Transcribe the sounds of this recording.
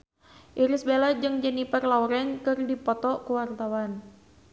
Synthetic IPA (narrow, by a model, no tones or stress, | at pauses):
ʔiɾɪsbelad͡ʒɨŋd͡ʒənipərlauɾɛnkɨrdipɔt̪ɔkəwart̪awan